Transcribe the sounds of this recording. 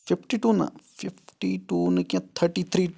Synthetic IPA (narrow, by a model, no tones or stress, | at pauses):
fipʈiʈuːnɐ̰fifʈiʈunɨkãt̪ʰːəɾʈit̪ʰɾiː